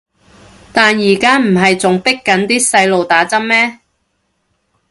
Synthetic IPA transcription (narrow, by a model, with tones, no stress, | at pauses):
t̪aː˨njiː˨˩kaː˥m̩˨˩ɦɐ˨jt͡sʊ˨ŋpɪ˥kːɐ˨˥nt̪iː˥sɐ˧jlo˨wt̪aː˨˥t͡sɐ˥m̚mɛː˥